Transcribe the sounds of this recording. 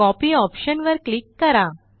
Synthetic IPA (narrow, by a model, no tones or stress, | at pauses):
ɔpiɔpɕənʋəɾklikːəɾa